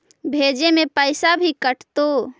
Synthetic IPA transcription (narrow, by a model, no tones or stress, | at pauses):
bʱed͡ʒemepəɪsabʱikəʈt̪o